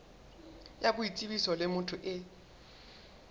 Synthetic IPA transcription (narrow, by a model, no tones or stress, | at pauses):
jabʊit͡sʼibisɔlɪmʊtʰʊʔɪ